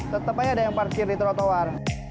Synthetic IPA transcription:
t̪ət̪əpajadajaŋpart͡ʃirdit̪ɾot̪owar

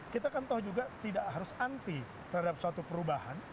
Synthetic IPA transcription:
kit̪akant̪ɔhd͡ʒuɡat̪idaʔɦaɾʊsant̪i | t̪əɾhadap̚səwat̪upəɾubaha̰n

